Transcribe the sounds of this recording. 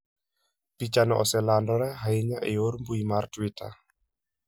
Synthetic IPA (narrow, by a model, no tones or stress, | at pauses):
pit͡ʃanɔʔɔsɛlandɔɾɛɦaɪɲaʔejoɾmbuimartwitʰa̰